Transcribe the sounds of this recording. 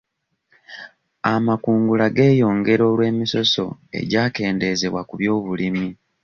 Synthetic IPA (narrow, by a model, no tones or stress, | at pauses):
amakuːŋɡulaɡe̞ːjo̞ːŋɡe̞ɾo̞ːlwe̞ːmiso̞so̞̰e̞̰ɟaːke̞ːnde̞ze̞βwa̰kuβjo̞ːβulimi